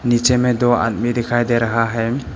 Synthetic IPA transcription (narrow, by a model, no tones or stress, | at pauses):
nit͡ʃɛmɛd̪ɔa̰t̚midɛkʰajdeɾaɦaɦɛjm